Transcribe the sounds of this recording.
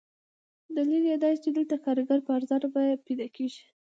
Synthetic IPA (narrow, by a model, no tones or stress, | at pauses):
d̪aliljɑd̪ɑjit͡ʃed̪əlt̪akɑɾɡaɾpəaɾzaɾbɑjeped̪ɑkeʒi